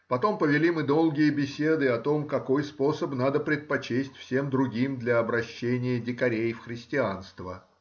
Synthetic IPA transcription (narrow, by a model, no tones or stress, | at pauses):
pɐt̪o̞mpəvʲɪlʲimɨd̪o̞lˠɡʲɪjəbʲɪsʲe̞d̪ɨɐt̪o̞mkɐko̞jspo̞səpnad̪əpɾʲɪt̪̚pɐt͡ɕesʲtʲfsʲe̞md̪ɾʊɡʲimd̪lʲɐːbɾɐɕːenʲɪjədʲɪkɐɾʲejfxɾʲɪsʲtʲɪanst̪və̰